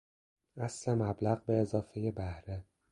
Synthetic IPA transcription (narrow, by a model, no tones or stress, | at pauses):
æslemæblæɣbeːzɒːfeje̞bæhɾe